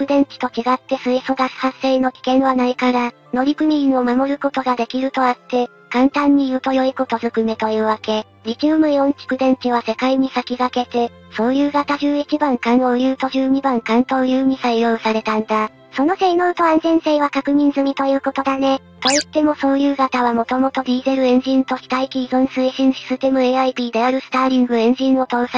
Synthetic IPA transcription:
kɯ̟d̪ẽ̞ɲ̟t͡ɕi̥t̪o̞t͡ɕiɡat̪ːe̞sɨiso̞ɡasi̥hase̞ino̞kʲi̥kẽ̞ɰ̃βanaikaɾa | no̞ɾʲikɯ̟mʲiĩɰo̞mamo̞ɾɯ̟ko̞t̪o̞ɡad̪e̞kʲiɾɯ̟t̪o̞at̪ːe̞ | kãnt̪ãɲ̟ːijɯt̪o̞jo̞iko̞t̪o̞zɨkɯ̟me̞t̪o̞jɯ̟ːβake̞ | ɾʲit͡ɕɨːmɯ̟iõɲ̟t͡ɕi̥kɯ̟d̪ẽ̞ɲ̟t͡ɕiβ̞ase̞kaiɲ̟isakʲiɡake̞t̪e̞ | so̞ːjɯ̟ːɡat̪aʑɨːit͡ɕibãŋkãɰ̃o̞jɯ̟ːt̪o̞ʑɨːɲ̟ibãŋkãnt̪o̞ːjɯːm̟ʲisaijo̞ːsaɾe̞t̪ãnd̪a | so̞noseino̞ɯ̟t̪o̞ãnzẽ̞ɰ̃se̞ːβ̞akakɯ̟ɲ̟ĩnzɨmʲit̪o̞jɯ̟ːko̞t̪o̞d̪ane̞ | t̪o̞it̪ːe̞mo̞so̞ːjɯ̟ːɡat̪aβamo̞t̪o̞mot̪o̞d̪ʲiːzeɾɯ̟ẽ̞ɲ̟d͡ʑĩnt̪o̞çʲi̥t̪aikʲiizõɰ̃sɨiɕĩɰ̃ɕi̥sɨt̪emɯ̟eːaibʲiːd̪e̞aɾɯ̟sɨ̥t̪aːɾʲĩŋɡɯ̟ẽ̞ɲ̟d͡ʑĩɰ̃o̞t̪o̞ːsa

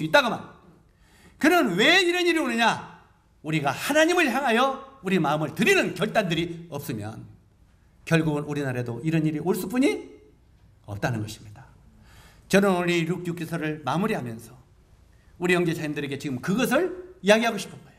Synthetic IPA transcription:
it͈aɡoma̰n | kɯɾʌnwe̞iɾʌniɾionɯɲa | uɾiɡahanaɲimɯɭçjaŋɦajʌuɾimaɯmɯɭtɯɾinɯnkjʌɭt͈andɯɾiʌp̚s͈ɯmjʌ̰n | kjʌɭɡuɡɯnuɾinaɾadoiɾʌniɾiʔoɭs͈up̬͈uɲi | ʌ̰p̚t͈anɯnɡʌɕʰi̥mɲid̥a | t͡ɕʌnɯnuɾiɾuk̚juk͈esʰʌɾɯɭmamuɾiɦamjʌnsʰʌ | uɾijʌŋd͡ʑesʰajimndɯɾe̞ɡe̞t͡ɕiɡɯmkɯɡʌs̬ʰɯɭijaɡiɦaɡoɕʰi̥pʰʌnɡʌeo

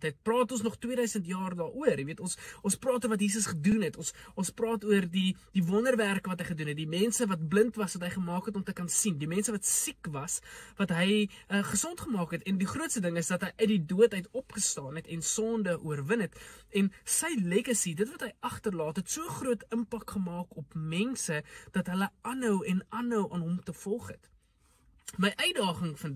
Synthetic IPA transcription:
tɦɛt̚prɑːtɔnsnɔχtwiədœɥsəntjɑːrdɑːʔuərjiviətɔnsɔnsprɑːtuərvɐt̬jiːs̬əsχədunɦɛtɔnsɔnsprɑːtuərdid̥ivɔnərværkəvɐtɦəjχədunɦɛt̚dimɛnsəvɐt̚bləntvɐsvɐtɦəjχəmɑːkɛtɔmtəkɐnsindimɛnsəvɐtsikvɐsvɐtɦəjəχəsɔntχəmɑːkɛtɛndiχruətstədəŋəsdɐtɦəjʔəɥdiduətɦɛtɔpχəstɑːnɛtɛnsɔːndəʔuərvənɦɛtɛnsəjleɡəsidətvɐtɦəjɐχtərlɑːtɦɛtsuəχruətəmpɐkχəmɑːkɔpmɛnsəd̥ɐtɦələɐnɦœwɛnɐnɦœwʔɑːnɦɔmtəfɔlˠχɛt | məjʔœɥdɑːχəŋfɐn

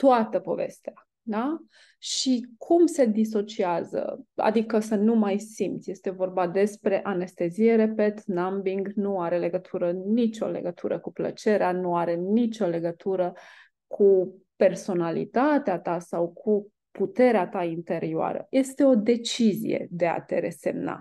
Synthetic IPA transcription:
t̪oat̪əpo̞̰ve̞̰st̪ea | d̪a | ʃikʰumse̞d̪is̬o̞t͡ʃiazə̰a̰d̪ikəsənumajsimt̪sʲje̞st̪e̞vo̞rbad̪e̞spɾe̞ʔane̞st̪e̞zije̞ɾe̞pe̞t̪nambiŋɡnuaɾe̞le̞ɡət̪ʰuɾənit͡ʃo̞̰le̞̰ɡət̪ʰuɾəkuplə̰t͡ʃe̞ɾeanuaɾe̞nit͡ʃo̞le̞ɡət̪ʰuɾə | kʰupe̞rso̞nalḭt̪at̪eat̪asawkʰu | put̪e̞ɾeat̪aint̪e̞ɾioa̰ɾə̰je̞st̪e̞o̞d̪e̞t͡ʃizḭjḛd̪e̞a̰t̪e̞̰ɾese̞mna̰

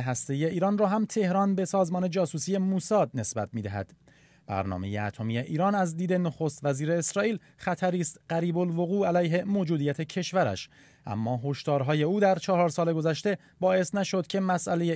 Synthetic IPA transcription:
ɦæst̪e̞iːje̞iːɾɒːnrɒːɦæmt̪ʰe̞hɾɒːnbe̞sɒːzmɒːne̞d͡ʒɒːsuːsiːje̞muːsɒːd̪̚ne̞sbæt̪̚ʰmiːd̪æɦæ̰d̪̥ | b̥æ̰ɾnɒ̰ːme̞je̞̰æ̰t̪ʰo̞mijeʔiːɾɒːnæzd̪iːd̪e̞noxost̪væziːɾe̞ːsɾɒːʔiːl | xæt̪ʰæɾiːst̪ɢæɾiːbo̞lvo̞ɣuːælæjɦe̞mod͡ʒuːd̪iːjæt̪ʰe̞cʰe̞ʃvæɾæ̰ʃ | ʔæ̰mːɒːɦo̞ʃt̪ɒːɾɦɒːje̞uːd̪æɾt͡ʃʰɒhɒːɾsɒːle̞ɡo̞zæʃt̪e̞ | bɒːe̞snæʃo̞d̪cʰe̞mæsʔæle̞je

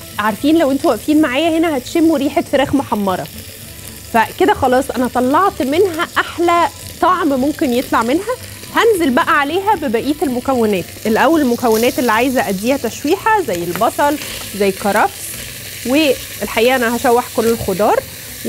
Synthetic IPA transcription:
ʕaɾˤfiːnlæwʔent̪iwæʔfiːnmaʕaːjæhenæhæt̪ʃemːweɾiːħet̪feɾæːxmoħɑmːɑɾˤɑ̰ | fæked̪æxɑlɑːsˤʔænæt̪ˤɑlːɑʕt̪menɦæʔaħlæt̪ˤɑʕmmomkenjet̪ˤlɑʕmenɦæ | hænzelbæʔæʕaleːɦæbebæʔiːt̪elmokæwːenɛːt̪ʔelʔæwːælelmokæwːenæːt̪elːiʕaːjezæʔæd̪ːiːhæt̪æʃwiːħæzæjːelbɑsˤɑlzæjːkɑɾˤɑfs | we | elħaʔiːʔæʔænæhæʃæwːeħkolːelxod̪ɑːɾˤ

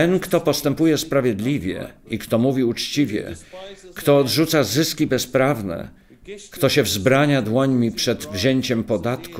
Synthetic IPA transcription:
ɛnkt̪ɔpɔst̪ɛmpujɛspɾavʲjɛd̪lʲivʲjɛ̰ikt̪ɔmuvʲiut͡ʂt͡ɕivʲjɛ̰kt̪ɔːd̪ʐut̪sazɘskʲibɛspɾavnɛ̰ | kt̪ɔɕɛvzbɾaɲad̪wɔɲmʲipʂɛd̪vʑeɲt͡ɕɛmpɔd̪at̪ku

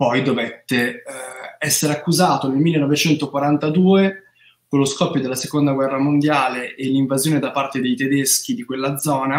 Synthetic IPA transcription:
pɔjd̪ovet̪ːe | ɛsːeɾeakːuzaːt̪onelmilːenːɔvet͡ʃɛnt̪okwaɾant̪ad̪uːe | kolːoskɔpːjod̪elasekond̪aɡwɛrːamond̪jaːleʔelːiɱvazjoːned̪apart̪ed̪ejt̪ed̪esk̟id̪ikwelːad̪zɔːna

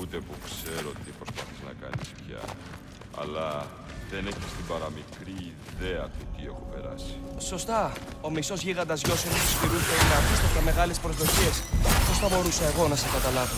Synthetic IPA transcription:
ut̪e̞pukse̞ɾot̪ipɾo̞spɐθiznɐ̰kɐ̰nispçɐ̰ | ɐ̰lɐ | ðe̞ne̞çist̪ibɐɾɐmikɾiː | ðe̞ɐt̪ut̪ie̞xope̞ɾɐ̰si̥so̞st̪ɐo̞miso̞zʝiɣɐnd̪ɐzʝo̞sinost̪u̥spiɾusθelinɐft̪ist̪ɐɐme̞ɣɐle̞spɾo̞zðo̞çe̞sposθɐbo̞ɾusɐe̞ɣo̞nɐseɡɐt̪ɐlɐvo

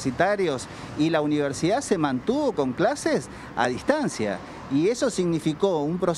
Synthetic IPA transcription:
sit̪aɾjo̞s | ilauniβ̞eɾsiðasemãnt̪uβoko̞ŋklases | a̰ðist̪ansja̰ | ieso̞siɣnifiko̞umpɾo̞

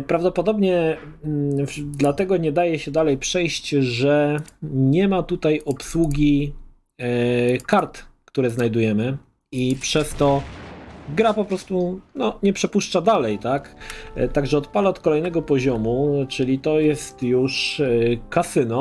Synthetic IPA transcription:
pɾavd̪ɔpɔd̪ɔbɲɛ | d̪lat̪ɛɡɔɲɛd̪ajɛɕɛd̪alɛjpʂɛjɕt͡ɕʐɛɲɛmat̪ut̪ajɔpswuɡʲi | kaɾt̪kt̪uɾɛznajd̪ujɛmɘ | ipʂɛst̪ɔ | ɡɾapɔpɾɔst̪unɔɲɛpʂɛpuʂt͡ʂad̪alɛjt̪akt̪aɡʐɛɔt̪palɛɔt̪kɔlɛjnɛɡɔpɔʑɔmut͡ʂɘlʲit̪ɔjɛst̪juʂkasɘnɔ

